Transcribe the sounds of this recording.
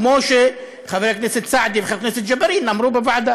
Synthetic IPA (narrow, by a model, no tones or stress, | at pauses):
moːʃe | xaveɾakneːset̪saʕd̪ivxaɾkneset̪d͡ʒabaɾiːnnaʕmɾuːbebaʕd̪a